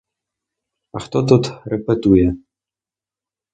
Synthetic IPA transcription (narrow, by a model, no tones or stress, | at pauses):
axt̪ɔt̪ɔt̪ɾɛpɛt̪ujɛ